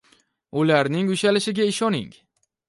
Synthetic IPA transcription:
ʊlaɾnɪŋʊʃalɪʃɪɡʲaɪʃɒnɪ̰ŋ

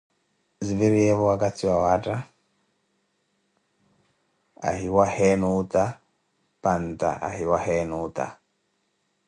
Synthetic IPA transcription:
ziviɾiɛβɔwakʼat͡sʰiwawatʼa | a̰ɦiwahɛnut̪ʼa | pant̪ʼa̰ʔa̰ɦiwahɛnut̪ʼa̰

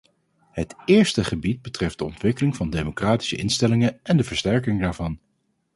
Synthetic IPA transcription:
ɦətɪːɹstəχəbid̚bətrɛfdəɔ̰ntʋɪkəlɪŋvɑndemokraːti̥səɪnstɛlɪŋəʔɛndəvəɹstɛɹkɪŋdaːɹvɑn

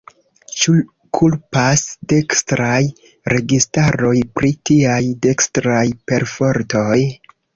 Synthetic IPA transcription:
t͡ʃu | kʰulpasde̞kstɾaj | ɾe̞ɡistaɾo̞jpɾitiajde̞kstɾajpe̞ɾfo̞ɾto̞j

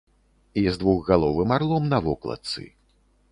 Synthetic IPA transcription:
izd̪vuɣɣalˠɔvɨmarlˠɔmnɐvɔklˠɐ̰t̪sɨ̰

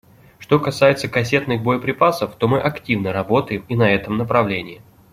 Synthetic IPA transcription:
ʂt̪o̞kɐsajɪt̪səkɐsʲe̞t̪nɨxbo̞jəpɾʲɪpasəft̪o̞mɨʔɐktʲivnəɾɐbo̞t̪əjɪminɐɛt̪əmnəpɾɐvlʲenʲɪɪ

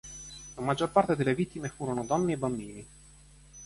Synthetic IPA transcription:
lamad͡ʒːorpart̪ed̪elːevit̪ːimefuːɾonod̪ɔnːeːbːambiːni

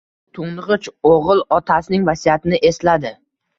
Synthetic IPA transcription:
t̪ʰʊɴʁɨt͡ʃoʁɨlˠɒt̪ʰasɪnɪŋvasijat̪ʰɪnɪʔe̞slad̪ɪ

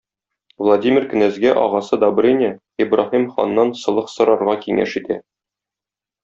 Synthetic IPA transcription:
vlˠadʲimʲɪrkɘ̆næzɡæʔɒ̰ʁɑsɤd̪ɒbɤ̆ɾinʲɘ | ibrɑhimχɒ̰nːɑnsɤ̆lˠɤqsɤ̆ɾɑɾʁɑkiŋæ̰ʃit̪æ

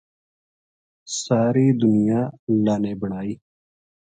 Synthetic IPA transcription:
saːɾiːd̪ʊnɪjãːlaːneːbəɳaːiː

